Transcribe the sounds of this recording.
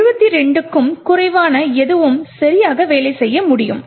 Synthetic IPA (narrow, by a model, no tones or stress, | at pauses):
rɯbɐt̪ːiɾɛɳɖɯkːɯmkʊrɐɪʋaːnɐɛðɯʋɯmsɐɾɪjaːɣɐʋeːlɐɪsɛjːɐmʊɽɪjɯ̰m